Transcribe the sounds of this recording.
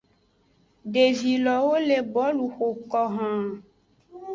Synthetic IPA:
ɖe˨vi˨lɔ˨wo˦le˨bɔ˦lu˨xo˨kɔ˨ɦã˨

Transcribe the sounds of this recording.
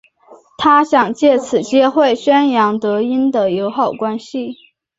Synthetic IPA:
t̪ʰa˥ɕjɑ˨˩ŋt͡ɕjɛ˥˩t͡sʰɹ̩˨˩t͡ɕjɛ˥xwe˥˩ɪɕɥɛ˥njɑ˧˥ŋt̪ɤ˧˥i˥nd̪ə˨jo˧˥ʊxɑ˨˩ʊkwa˥nɕi˨

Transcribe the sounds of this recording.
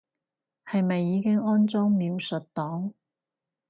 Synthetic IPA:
hɐ˨jmɐ˨jːiː˨˧kɪ˥ŋɔː˥nt͡sɔː˥ŋmiː˨˧wsɵ˨t̚t̪ɔː˨˥ŋ

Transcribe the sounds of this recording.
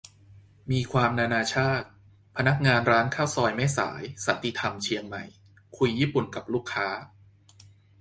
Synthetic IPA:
miː˧kʰwaː˧mnaː˧naː˧t͡ɕʰaː˥˩t̪̚ | pʰa˧na˦˥k̚ŋaː˧nɾaː˦˥nkʰaː˥˩wsɔː˧jmɛː˦˥˩sa̰ː˩˦jsa˨˩nt̪ʰi˧t̪ʰa˧mt͡ɕʰi˧əŋma̰˨˩j | kʰu˧jːiː˥˩pu˨˩nka˨˩p̚luː˥˩kʰːaː˦˥

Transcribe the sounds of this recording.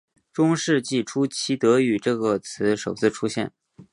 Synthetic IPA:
ʈ͡ʂʊ˥ŋʂɻ̩˥˧t͡ɕi˥˩ʈ͡ʂʰu˥t͡ɕʰi˧˥t̪ɤ˧˥y˨˩ʈ͡ʂɤ˥˩ɡə˩t͡sʰɹ̩˧˥ʂo˨˩ʊt͡sʰɹ̩˥˩ʈ͡ʂʰu˥ɕjɛ̰˥˩n

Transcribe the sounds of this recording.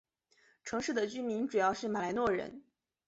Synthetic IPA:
ʈ͡ʂʰɤ˧˥ŋʂɻ̩˥˩d̪ə˩t͡ɕy˥mi˧˥nʈ͡ʂu˨˩jɑ˥˧ʊʂɻ̩˥˩ma˨˩la˧˥ɪnwɔ˥˩ɻə̰˧˥n

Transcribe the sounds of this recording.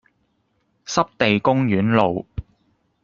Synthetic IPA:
sɐ˥p̚t̪e˨jkʊ˥ŋjyː˨˥nlo˨w

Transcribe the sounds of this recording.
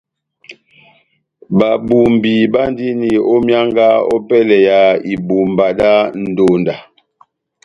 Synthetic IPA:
ba˨bu˨m˨bi˨ba˦n˦di˦ni˨ɔ˦mja˦ŋɡa˦ɔ̰˦pɛ˦lɛ˨ja˨˦i˨bu˨m˨ba˨da˦n̩˨do˨nda˨

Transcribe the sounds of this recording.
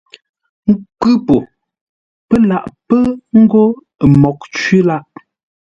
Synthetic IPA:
ŋ̩˦kʉ˦po˨ | pə˦la˦˨ʔpə˦ŋ̩˦ɡo˦˨ | mɔ˨k̚t͡ʃɥi˦la˦ʔ

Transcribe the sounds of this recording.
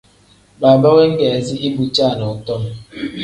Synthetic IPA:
baː˨ba˦we˦ŋ̩˦ɡe˨zi˦ʔi˦bu˨t͡ʃa˦˨nɔ˨ʊ˨tɔ˦m˨

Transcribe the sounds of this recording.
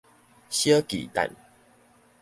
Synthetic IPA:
ɕjə˦kḭ˨t̪a̰˨n

